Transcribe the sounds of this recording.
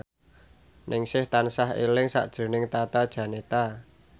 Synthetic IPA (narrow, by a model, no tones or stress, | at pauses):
nʔɪŋsɪht̪ansaɦḛlɪŋsa̰ʔd̥ʒ̥ṳnɪŋt̪at̪ad̥ʒ̥ä̤net̪a